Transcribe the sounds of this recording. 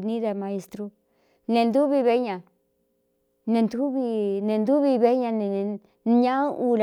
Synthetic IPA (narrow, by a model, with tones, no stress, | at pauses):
nĩ˦ða˧mã˧e˧st̪ɾo˧ | nẽ˧nd̪u˦βi˧βe˧˦ɲã˨ | nẽ˧nd̪u˦βi˧nẽ˨˧nd̪u˦βi˧βe˧˦ɲã˧nẽ˨˧ | ɲã˦ʔu˧l